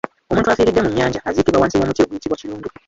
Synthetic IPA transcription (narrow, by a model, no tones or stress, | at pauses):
o̞mũːntuasiːɾidːe̞muɲːaːɲɟaaziːkiβawaːnsiwomutioɡujitiβwaciɾuːndu